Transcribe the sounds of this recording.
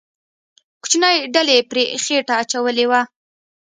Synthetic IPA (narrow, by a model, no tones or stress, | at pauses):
ku̥t͡ʃnajɖalepɾexeʈaːt͡ʃawəlewa